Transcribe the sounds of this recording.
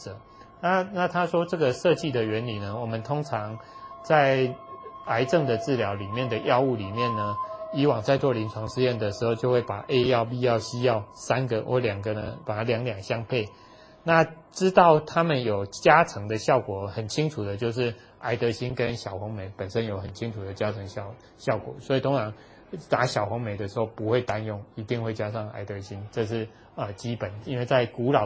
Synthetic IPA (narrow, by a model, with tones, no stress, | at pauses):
ə˨˩˦ | na˥˨na˥˨t̪ʰa˥ʂwɔ˥ʈ͡ʂɤ˥˩ɡə˨ʂɤ˥˧t͡ɕi˥˨d̪ə˨ɥɛ˧˥nli˨˩nə˦wɔ˨˩mə˦nt̪ʰo˥ŋʈ͡ʂʰɑ˧˦ŋt͡sa˥˨˩ɪ | a˧˥ɪʈ͡ʂɤ˥˩ŋd̪ə˨t͡s̩˥˩ljɑ˧˥ʊli˨˩mjɛ˥˨nd̪ə˩jɑ˥˧ʊu˥˩li˨˩mjɛ˥˨nːə˩i˧˥wɑ˨˩ŋt͡sa˥˧ɪt͡swɔ˥˩li˧˦nt͡sʰwɑ˧˥ŋʂɻ̩˥˧jɛ˥˩nd̪ə˩ʂɻ̩˧˥xo˥˧ʊt͡ɕjo˥˧hwe˥˩ɪpa̰˨˩ʔe˦˥ɪjɑ˥˧ʊpi˥˧jɑ˥˨˩ʊɕi˦˥jɑ˥˩ʊsa˦nɡə˨ʔɔ̰˧˦ljɑ˨˩ŋɡə˦d̪ə̰˧˦pa˨˩ljɑ˧˦ŋljɑ˨˩ŋɕjɑ˥ŋpʰe˥˩ɪ | na˥˩ | ʈ͡ʂɻ̩˦t̪ɑ˥˩ʊt̪ʰa˦mə˨njo˨˩ʊt͡ɕja˥ʈ͡ʂʰɤ˧˥ŋd̪ə˨ɕjɑ˥˨˩ʊkwɔ˨˩˦xə˨˩nt͡ɕʰi˦ŋʈ͡ʂʰu˨˩d̪ə˦t͡ɕjo˥˧ʊʂ̬ɻ̩˥˩ | a˧˥ɪt̪ɤ˧˥ɕi˦nkə˦nɕjɑ˨˩ʊxʊ˧˥ŋme˧˦ɪpə˨˩nʂə˦˥njo˧˥ʊxə˨˩nt͡ɕʰi˥ŋt͡sʰu˨˩d̪ə˩t͡ɕja˦˥t͡sʰɤ˧˥ŋ˥˨ | ɕjɑ˥˩ʊkwɔ̰˨˩˦swɔ˧˥i˨˩t̪ʰo˥ŋt͡sʰɑ˧˦ŋ | t̪a˨˥˦ɕjɑ˨˩ʊxʊ˧˥ŋme˧˥ɪd̪ə˨ʂ̩˧˥ho˥˩ʊpu˧˥xwe˥˩ɪt̪a˦njʊ˥˩ŋi˧˥t̪i˥˧ŋxwe˥˩ɪt͡ɕja˥ʂɑ˥˩ŋa̰˧˩ɪt̪ɤ˧˥ɕi˦nʈ͡ʂɤ˥˧ʂ̬ɻ̩˥˩ | ə˨˩t͡ɕi˥pə˨˩ni˥nwe˥˧ɪt͡sa˥˩ɪku˨˧˥lɑ˨˩